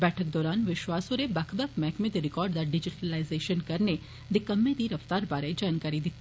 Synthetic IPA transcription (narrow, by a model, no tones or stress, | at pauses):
bɛːʈʰək̚d̪ɔːɾaːnʋɪʃʋaːsoɾebɐkʰbɐkʰmɛːkmed̪iɾɪkɔːɾɖd̪aɖɪd͡ʒɪʈəlaːɪzeːʃənkɐɾne | d̪ɪkɐmːed̪iɾɐft̪aːɾbaːɾɐd͡ʒaːnkaːɾid̪ɪt̪ʰː